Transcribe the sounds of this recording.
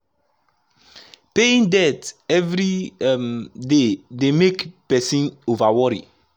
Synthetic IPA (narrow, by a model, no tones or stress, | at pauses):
peĩndɛtɛvɾimdedemekpɛsĩnovawɔɾḭ